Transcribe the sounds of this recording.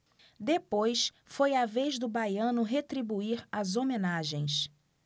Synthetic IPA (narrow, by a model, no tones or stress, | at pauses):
d̪epojs | fojavezd̪ʊbajɐ̃nʊɦet̪ɾibuiɾazomenaʒẽj̃s